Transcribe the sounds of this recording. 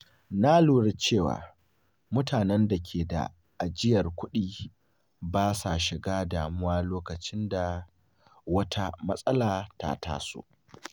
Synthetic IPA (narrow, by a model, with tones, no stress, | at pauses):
na˦luː˨ɽɪ˦t͡ʃeː˦˨wa̰ː˨ | mʊ˦tʰaː˨nɛ˦nda˨kʲʰeː˨da̰˨ | ʔa˨d͡ʒɪ˦jɐ˨rkʷʊ˦ɗiː˦ | baː˦sa˨ʃɪ˨ɡaː˦daː˨mʊ˦waː˦loː˦kɐ˨t͡ʃɪ˦nda˨ | wɐ˦tʰa˦mɐ˦sʼɐ˦laː˨ta̰˦ta̰ː˦sṵ˦ʔ